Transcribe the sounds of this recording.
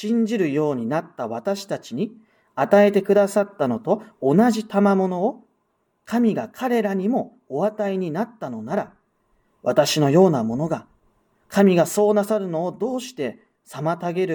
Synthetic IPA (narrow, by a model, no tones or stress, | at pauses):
ɕĩɲ̟d͡ʑiɾɯ̟jo̞ːɲ̟inat̪ːaβat̪aɕi̥t̪at͡ɕiɲ̟i | at̪ae̞t̪e̞kɯ̟d̪asat̪ːano̞t̪o̞ːnaʑit̪amamo̞no̞ː | kʰamʲiɡakʰaɾe̞ɾaɲ̟imo̞ | oβat̪aiɲ̟inat̪ːano̞naɾa | βat̪aɕino̞jo̞ːnamo̞no̞ɡa | kʰamʲiɡaso̞ːnasaɾɯ̟no̞ːd̪o̞ːɕi̥t̪e̞ | samat̪aɡe̞ɾɯ̟